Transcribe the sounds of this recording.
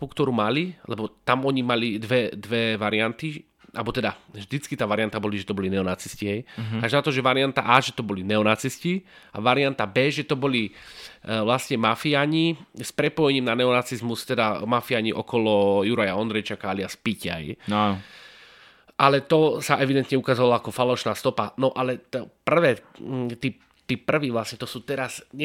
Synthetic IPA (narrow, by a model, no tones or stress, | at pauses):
pukt̪ɔɾuːmalilɛbɔt̪amɔɲimalid̪ʋɛd̪ʋɛʋaɾiant̪i | ʔalbɔt̪ɛd̪avʒd̪it͡skit̪aːʋaɾiant̪abɔliʒɛt̪ɔbɔlinɛɔnat͡sisciɦɛjaʒnat̪ɔʒɛʋaɾiant̪aʔaʒɛt̪ɔbɔlinɛɔnat͡siscia̰ʋaɾiant̪abɛːʒɛt̪ɔbɔli | ʋlasɲɛmafiaɲispɾɛpɔjɛɲiːmnanɛɔnat͡sizmust̪ɛd̪amafiaɲiʔɔkɔlɔjuɾajaɔnd̪ɾɛjt͡ʃakaaliaspica̰jan | ʔalɛt̪ɔsaʔɛʋid̪ɛnt̪ɲɛukazɔʋalaakɔfalɔʃnaːst̪ɔpanɔʔalɛt̪ɔpr̩ʋɛː | t̪iː | t̪iːpr̩ʋiːʋlasɲɛt̪ɔsuːt̪ɛɾasɲɛ